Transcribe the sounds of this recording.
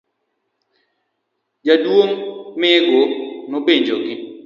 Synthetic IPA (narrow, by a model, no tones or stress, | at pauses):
d͡ʒadwoŋmɪɡonobeɲd͡ʒoɡɪ